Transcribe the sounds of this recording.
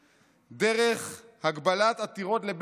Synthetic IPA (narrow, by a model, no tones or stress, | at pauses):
d̪eʁeχhaɡbalat̪at̪iʁo̞t̪leb